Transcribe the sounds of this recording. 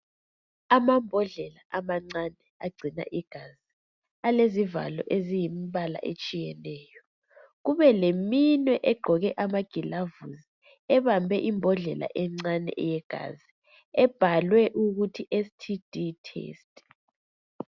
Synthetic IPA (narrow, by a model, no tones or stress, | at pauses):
amambʱɔɮɛlaʔamaŋ͡ǀanɛaɡ͡ǀʱina̰ʔiɡ̥ʱazi | aleziva̰lɔ̰ʔezijimiβala̰ʔḛt͡ʃʼijɛnɛːjɔ | ɣuβɛleminwɛʔɛɡ͡ǃʱɔɣɛʔamaɡ̥ʱilavuzi | ɛβambʱɛʔimbʱɔɮɛlʔa̰ʔɛŋ͡ǀanɛ̰ʔjɛɡ̥ʱa̰zi | ɛb̥ʱalwɛʔuɣutʰiʔestʰid̥ʱitʰḛːstʼ